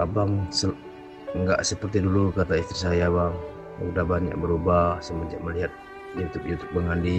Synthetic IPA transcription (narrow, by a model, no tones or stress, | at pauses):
kabaŋsə | ŋɡaʔsəpərt̪idulukat̪aist̪ɾis̬ajabaŋ | kudabanja̰ʔbəɾubahsəmad͡ʒa̰ʔməliɦat̪̚ | jut̪ʊp̚jut̪ʊ̥k̚bəŋandi